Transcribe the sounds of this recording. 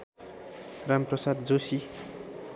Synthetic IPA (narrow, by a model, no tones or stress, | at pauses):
ramprʌsad̪d͡zosi